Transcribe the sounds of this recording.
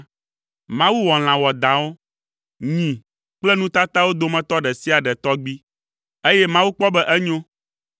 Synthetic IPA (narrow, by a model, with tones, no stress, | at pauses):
mã˦wu˦wɔ˨l̃ã˨wɔ˨d̪ã˨wo˦ | ɲĩ˨ | k͡plɛ˦nũ˦t̪a˦t̪a˦wo˦d̪o˨mɛ̃˦t̪ɔ˦ɖɛ˨si˦a˨ɖɛ˨t̪ɔ˦ɡ͡bi˦ | e˦jɛ˦mã˦wu˦k͡pɔ˦bɛ˦ʔɛ˦ɲõ˦